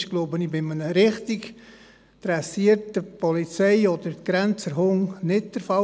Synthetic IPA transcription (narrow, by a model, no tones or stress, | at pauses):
ʃɡ̥lobənibɪmənəɾɪχtik | d̥ɾɛsiəɾtəpɔlit͡sɛɪɔd̥̪əɾtɡ̥ɾɛnt͡səɾɦʊŋnɪt̚d̥əɾfɑ